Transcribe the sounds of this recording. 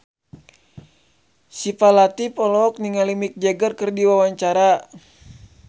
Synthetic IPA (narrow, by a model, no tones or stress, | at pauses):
sipalat̪ipɔlɔk̚niŋalimik̚d͡ʒɛɡərkɨrdiwawaɲt͡ʃaɾa